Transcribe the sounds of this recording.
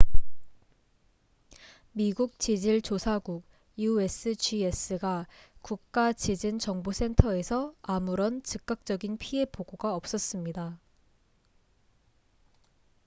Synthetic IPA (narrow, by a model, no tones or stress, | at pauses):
miɡuk̚t͡ɕid͡ʑiɭt͡ɕosʰaɡuk̚ | jue̞s͈ʰɯt͡ɕies͈ɯɡakuk̚k͈at͡ɕid͡ʑint͡ɕʌŋbosʰe̞ntʰʌe̞sʰʌamuɾʌnt͡ɕɯk͈̚ak̚t͡ɕ͈ʌɡinpʰie̞poɡoɡaʌp̚s͈ʌs͈ɯmɲida